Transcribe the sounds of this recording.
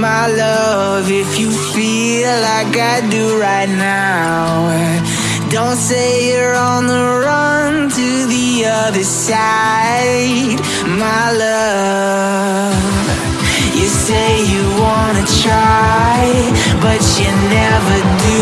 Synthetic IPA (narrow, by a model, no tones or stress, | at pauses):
maɪlʌ | vɪfjɨ | fi | llaɪkaɪdɨɹaɪtⁿna | ʊ | dõʊ̃ntseɪjə˞ə̃n̩ðə | ɹʌ̃ntʰɨ | ði | ʌðə˞s | a | ɪɪ | d̥ | maɪlʌ | vv | jɨseɪjɨwɑnɨtʰɹ̥aɪb̥ʌt͡ʃɨnɛvə˞dɨ